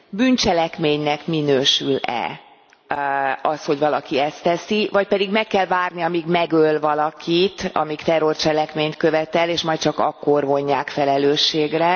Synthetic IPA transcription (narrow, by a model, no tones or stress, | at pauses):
byːnt͡ʃɛlɛkmeːɲnɛkminøːʃylɛ̰ | ɒsho̞ɟvɒlɒkiɛst̪ɛsivɒc̚pɛd̪iɡmɛkːɛlvaːrniɒmiɡmɛɡølvɒlɒkʰit̪ɒ̰mikt̪ɛrːo̞rt͡ʃɛlɛkmeːɲt̪kø̞vɛt̪ɛleːʃmɒjt̪t͡ʃɒkɒ̰kːo̞rvo̞ɲːaːkfɛlɛløːʃːeːɡrɛ